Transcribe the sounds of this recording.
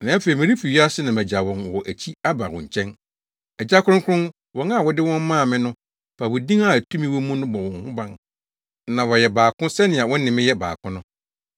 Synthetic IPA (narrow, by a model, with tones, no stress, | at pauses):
nã˨˦fe˨i˨mɪ̃˨ɾĩ˦fi˨ɥi˦a˦sɪ˦nã˨mæ̃˨d͡ʑa˨wɔ̃˨nwɔ˨ʔæ˨t͡ɕʰi˦a˦ba˨wɔ̰̃˨ɲ̩˨t͡ɕʰɛ̃˦n | ɛ˨d͡ʑa˦kʰʊ˦ɾʊ̃˦kʰʊ˦ʊ̃˦n | wɔ̃˨˦na˦˨wɔ˨dɪ˦wɔ̃˦m˦mãː˦˨mɪ̃˦nʊ̃˦ | pʰa˨wʊ˨dĩ˦ŋa˦˨tʰũ˦mĩ˦wɔ̃˦mũ˦nʊ̃˦bɔ˨wɔ̃˨nhʊ̃˦bã˦n | nã˨wɔ˨jɛ˨baː˨kʊ̃˦sɛ˦nɪ̃˨a˨wɔ̃˦n˦nɪ̃˨mɪ̃˦jɛ˦ba̰ː˨kʰʊ̃˦nʊ̃˦